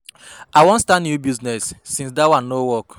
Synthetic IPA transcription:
aɪwõntstãnjubiznɛsːĩns̬dawãnːowɔk

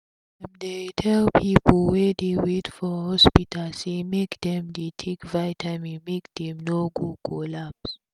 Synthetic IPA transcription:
ɛ̃mdetʰɛlpʰipʰlwɛdewetfɔhɔspitʰasemekd̪ɛ̃mdetʰekvaɪtʰãmĩmek̚d̪ɛ̃mnoɡukʰɔlaps

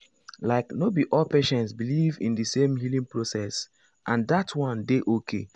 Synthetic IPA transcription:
laɪknobiʔɔlpeʃɛ̃ntsbilivḭ̃ndɨsẽmhilĩŋpɹosɛs | ʔãndatʰwɔ̃ndeʔokʰḛ

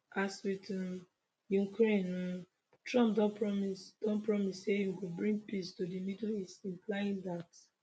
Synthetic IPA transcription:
aswitn | jukɹẽn | tɹɔ̃mpdɔ̃pɹɔmisd̥ɔ̃npɹɔmisːejuɡobɹĩŋɡpistodimidlisĩnplaĩndat

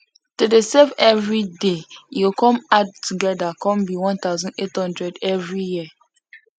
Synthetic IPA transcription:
tudesefɛvɹidejukʰɔ̃mad̚tʰːuɡɛdakʰɔ̃mbiwɔ̃nt̪aʊzɔ̃nethɔ̃ndɹɛdɛvɹijiə

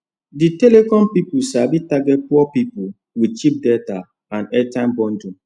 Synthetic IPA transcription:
ditelekɔ̃mpipusabitaɡɛt̚puɔpipu | wid̚t͡ʃip̚deta | ãnɛtãɪmbɔ̃ndũ

